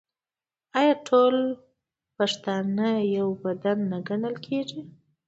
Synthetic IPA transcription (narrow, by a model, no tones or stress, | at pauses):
ɑjɑʈʰol | paʂt̪ɑnajawbad̪anːaɡanəlkʰeʐi